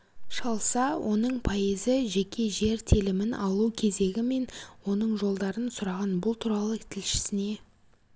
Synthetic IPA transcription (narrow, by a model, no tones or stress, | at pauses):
ʃɑlˠsɑwʔo̞nəɴpʰɑjəzɪʒekʲe̞ʒe̞ɾt̪ʰelɪmɪnɑlˠukʲʰe̞ze̞ɡʲɪme̞nwo̞nəɴʒo̞lˠd̪ɑɾənsʊɾɑʁɑnbʊlˠt̪ʰuɾɑlˠət̪ʰɪlʃɪ̥sɪne̞